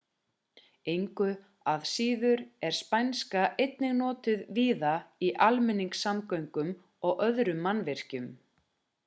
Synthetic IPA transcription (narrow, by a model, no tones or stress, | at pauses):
ejŋkʏ | aðsiːðʏɾɛɾ̥spajnskaʔejt̪̚nɪɣnɔːt̪ɪðviːðaiʔalmɛnːiŋksamkœɥŋkʏm | ɔɣœðɾʏmːanvɪr̥cʏm